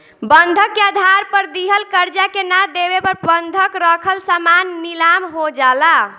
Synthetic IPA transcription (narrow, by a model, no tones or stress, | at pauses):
bənd̪ʱəkːead̪ʱaɾpəɾd̪iɦəlkəɾd͡ʒakenad̪ebepəɾbənd̪ʱəkɾəkʰəlsamanːilamɦod͡ʒala